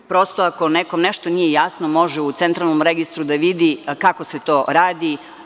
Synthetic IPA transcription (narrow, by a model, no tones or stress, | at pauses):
pɾo̞st̪oako̞neko̞mneʃt̪onijejasno̞mo̞ʒɛut̪sent̪ɾalˠnomɾeɡist̪ɾud̪aʋid̪ikako̞set̪o̞ːɾaːd̪i